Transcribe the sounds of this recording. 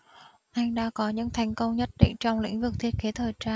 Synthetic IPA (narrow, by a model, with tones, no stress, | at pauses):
ʔa˧jŋ̟ɗa̰ː˧˥kɔ˨˦ɲɨ̰˧˥ŋt̪ʰa˨˩jŋ̟kə˧wŋ͡mɲə˦˥t̚ɗḭ˧˨ŋ̟t͡ɕɔ˧wŋ͡mlḭ̈˧˥ŋ̟vɨ˨˩k̚t̪ʰi˦˥ət̚ke˨˦t̪ʰəː˨˩jt͡ɕaː˧